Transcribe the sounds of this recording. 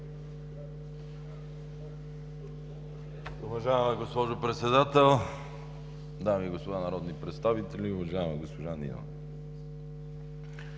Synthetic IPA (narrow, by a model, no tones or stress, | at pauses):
ʊvɐʒajəmɐɡospɔʒopɾɛt̪sɛd̪at̪ɛlˠ | d̪amiɡospod̪anɐɾɔd̪nipɾɛt̪st̪avit̪ɛlʲiʊvɐʒajmɐɡospoʒanḭna̰